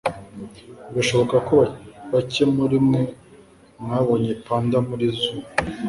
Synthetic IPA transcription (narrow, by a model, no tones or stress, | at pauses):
ɡaʃo̞βokakoβaβacemuɾimu | ŋaβoɲipaːndamuɾizuː